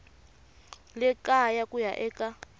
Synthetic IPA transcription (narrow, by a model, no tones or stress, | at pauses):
lɛkajakujaʔɛːkʼa